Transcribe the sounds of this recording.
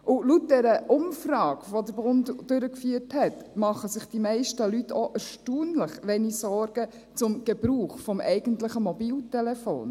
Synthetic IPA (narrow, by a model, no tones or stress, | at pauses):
ʔʊlut̚dɛɾəʔʊmfrɑːɡʋodəɾbʊntːøɾəkfyːəthɛtmɑχəsɪχd̥imɛɪʃtəlytʰɔʔɛɾʃtuːnləχʋɛnisɔɾɡ̥ə | t͡sʊmɡ̥ɛb̥ɾuːχfɔmɛɪɡ̥əntləχəmɔbiːltɛlɛfo̰ːn